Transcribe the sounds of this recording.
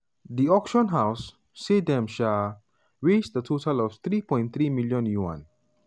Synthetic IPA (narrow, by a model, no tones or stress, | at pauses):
diɔkʃɔ̃nɦaʊsː | edɛ̃mʃal | ɹed͡ʒdətʰotalɔft̪ɹipɔ̃ɪ̃nt̪ɹimiljɔ̃njuã̰n